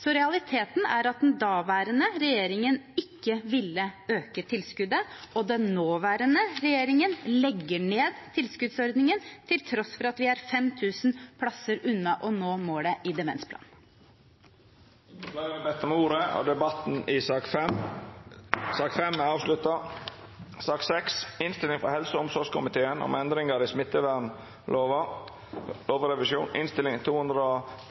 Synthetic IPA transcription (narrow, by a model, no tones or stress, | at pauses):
sɔɾɛɑlɪt̪ʰeːt̪n̩æɾɑt̪̚d̪ɛnd̪ɑːʋæːɾənəɾɛjeːɾɪŋənɪkːəʋɪlːəøːkət̪ʰɪlskʉd̪əɔd̪ɛnnoːʋæːɾənəɾɛjeːɾɪŋənlɛɡːəɳeːd̪t̪ʰɪlskʉd̪sɔɾd̪nɪŋənt̪ʰɪlt̪ʰɾɔsfɔɾɑt̪ʋɪæɾfɛmt̪ʰʉːsnpʰlɑsəɾʉnːɑʔɔnoːmoːɽɛʔɪd̪ɛmɛ̰nspʰlɑ̰ːn | flɑɪɾəbɛt̪ːɔmuːɾəɔ̰d̪ɛbɑt̪n̩ɪ | sɑːkfɛmːɑːʋslʉt̪ɑ | sɑːksɛksɪnst̪ɪlɪŋfɔɾhɛlsəɔmsɔʂkʰʊmɪt̪ʰeːənʔɔ̰mɛnd̪ɾɪŋɑɾɪsmɪt̪ːəʋæn | loːʋə | loːʋəɾɛʋɪʃuːnɪ̰nst̪ɪlɪŋt̪ʰuːhʉnd̪ɾəɔ